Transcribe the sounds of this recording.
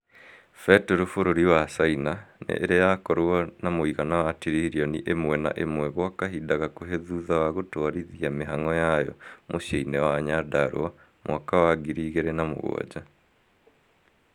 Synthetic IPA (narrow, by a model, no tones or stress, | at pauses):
fɛtɛɾofoɾoɾiwasainanḛʔːɾejakɔɾoɔnamoiɣanawatiɾiɾiɔnḭʔemwɛna̰ʔemwɛɣwakaɦidaɣakoɦeðuðawaɣotoaɾiðiameɦaŋɔjajɔ̰mʔoɕeinɛwaːɲadaɾo̰a | mwʔakawaɡiɾiɣeɾɛnamo̰ɣo̰ɔ̰d͡ʑa